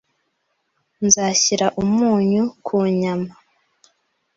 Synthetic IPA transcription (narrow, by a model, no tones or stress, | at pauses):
nzaːçiɾaʔumuːɲukʰuɲama